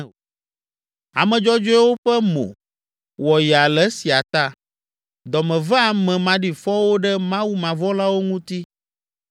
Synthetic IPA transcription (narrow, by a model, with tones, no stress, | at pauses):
a̰˨mɛ̃˨d͡ʒɔ˦d͡ʒo˦ɛ˦wo˦ɸɛ˦mõ̰˨ | wɔ˨jɛ˨a˨lɛ˦si˨a˨t̪a˦ | d̪ɔ˨mɛ̃˨vɛ˦a˨mɛ̃˨mã˨ɖi˨fɔ˦wo˦ɖɛ˦mã˦wu˦mã˨vɔ˦la˦wo˦ŋũ˦t̪i˦